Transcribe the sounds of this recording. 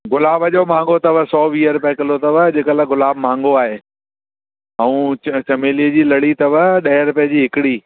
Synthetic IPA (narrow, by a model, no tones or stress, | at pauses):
ɡʊlaːbɐʄomãːŋɡot̪ɐʋəsɔːʋiːəɾʊpjəkɪlot̪ɐʋəd͡ʑeːkəlaɡʊlaːbmãːŋɡoaːɦeː | ɐ̃ũːt͡ɕt͡ɕɐmeːliəd͡ʑiːlɐɽ̤it̪ɐʋəɗɐɦɪɾʊpjəd͡ʑiːɦɪkɪɽiː